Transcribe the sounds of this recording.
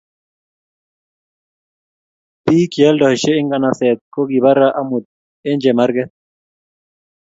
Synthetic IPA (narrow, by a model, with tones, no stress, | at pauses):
piː˦ki˨ɛ˦ldɔ˨e˨ʃe˦i˦ŋɡa˨na˨sɛ˨t̪̚ko˦ɡi˨βa˦ɾa˦ʔa˦mu˨d̪̚ | e˦nd͡ʒɛ˨ma˦ɾɡɛ˦t̪̚